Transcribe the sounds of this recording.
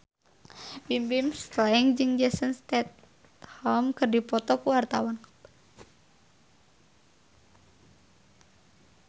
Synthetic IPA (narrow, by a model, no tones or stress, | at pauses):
bimbimst̪laŋd͡ʒɨŋd͡ʒɛsənst̪ɛt̪̚ | hɔlmkɨrdipɔt̪ɔkuwart̪awan